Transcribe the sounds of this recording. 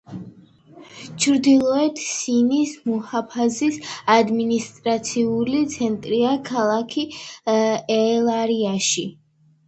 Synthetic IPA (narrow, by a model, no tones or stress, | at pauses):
t͡ʃʰɾd̪ilˠɔɛt̪ʰsinismɔhapʰazisad̪minist̪ʼɾat̪sʰiulit̪sʰɛnt̪ʼɾiakʰalˠakʰi | ɛlˠaɾiaʃi